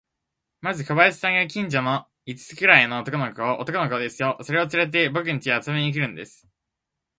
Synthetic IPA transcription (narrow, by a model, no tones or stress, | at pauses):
mazɨkoβaisi̥t̪aŋɡak̬ʲĩɲ̟d͡ʑono̞ | it͡sɨ̥t͡sɨ̥kɯ̟ɾaienoːt̪o̞ko̞nokoʔot̪o̞konokod̪e̞sɨjo̞so̞ɾe̞o̞t͡sɨɾe̞t̪̬e̞bo̞k̬ɯ̟ɲ̟it͡ɕiβaːt͡sɨmeɲiːk̬ʲiɾɯ̟̃nd̪e̞sɨ̥